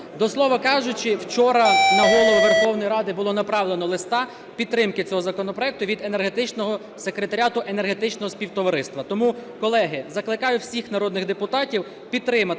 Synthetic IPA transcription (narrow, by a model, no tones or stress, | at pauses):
d̪ɔslˠɔʋɐkɑʒʊt͡ʃɪwt͡ʃɔɾɐnɐɦɔlˠɔʋʊʋerxɔwnɔjiɾɑd̪ɪbʊlˠɔnɐpɾɑʋlˠenɔlˠɪst̪ɑ | pʲid̪t̪ːɾɪmkɪt͡sʲɔɦɔzɐkɔnɔpɾɔjɛk̚t̪ʊʋʲid̪e̞ne̞rɦe̞t̪ɪt͡ʃnɔɦɔ | sekɾet̪ɐɾʲɑt̪ʊʔe̞neɦet̪ɪt͡ʃnɔɦɔsʲpʲiwt̪ɔʋɐɾɪst̪ʋɐt̪ɔmukɔlˠɛɦɪzɐklˠɪkɑjʊwsʲixnɐɾɔd̪nɪɣd̪epʊt̪ɑtʲiw | pʲid̪̚t̪ɾɪmɐ